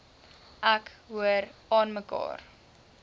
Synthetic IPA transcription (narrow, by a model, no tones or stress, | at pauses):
ʔækɦuəɾɑːnməkɑ̰ːr